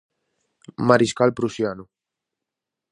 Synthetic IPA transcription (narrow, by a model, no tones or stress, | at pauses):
maɾiskalpɾusjanu